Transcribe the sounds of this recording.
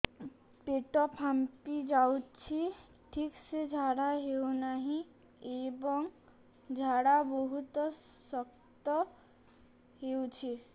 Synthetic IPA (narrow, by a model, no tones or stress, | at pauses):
peʈɔpɦampid͡ʒawt͡ʃʰi | ʈʰiksed͡ʒʱaɽaɦewnaɦĩ | ebɔŋ | d͡ʒʱaɽabɔɦut̪ | sɔk | t̪ɔ | hewt͡ʃʰi